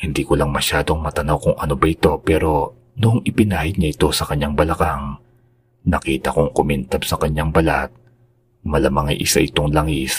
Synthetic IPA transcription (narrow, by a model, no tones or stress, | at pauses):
hɪnd̪iːkolɐŋmɐʃaːd̪o̞ŋmɐt̪ɐnɐwkʊŋʔɐno̞bɐʔɪt̪o̞pɛːɾo̞ | nʊʔŋʔɪpɪnaːhɪd̪ɲɐʔɪt̪o̞sɐkɐɲːaŋbɐlɐkaŋ | nɐkiːt̪ɐkoŋkomɛnt̪ɐbsɐkɐɲːaŋbɐla̰t̪̚ | mɐlamaŋɐ̰jʔɪ̰sa̰ʔɪt̪o̞ŋlaŋis